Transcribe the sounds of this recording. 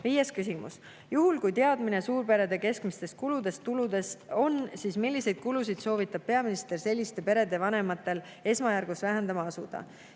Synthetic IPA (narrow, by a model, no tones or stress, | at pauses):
viːjeskysimṵs | juɦulkujt̪e̞ɑd̪mine̞suːɾpe̞ɾe̞d̪e̞ke̞skmist̪e̞st̪̚kulud̪e̞st̪ulud̪e̞so̞nsiːsmilʲːise̞jd̪̥̚kulus̬id̪̥so̞ːvit̪ːˑɑb̥̚pe̞ɑminist̪e̞rse̞lʲːist̪e̞pe̞ɾe̞d̪̥e̞vɑne̞mɑt̪ːˑe̞l | e̞smɑjærɡ̥usvæɦe̞nd̪ɑmɑɑsud̪̥ɑ̰